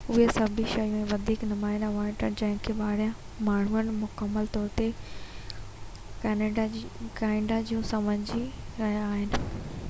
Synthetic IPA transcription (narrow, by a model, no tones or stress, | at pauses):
ʊɦesɐbʱiʃɐjũmẽʋɐd̪ʱiːknʊmaːɪnaʋaːɪ̃ʈənd͡ʑɐ̃ɦɪ̃kʰeɓaːɽijã | maːɳ̤uənmʊkəmːəlt̪ɔːɾt̪e | kaːɪ̃ɖad͡ʑiũsɐməɲd͡ʑiɾɐɦjaaːɦɪnɪ̆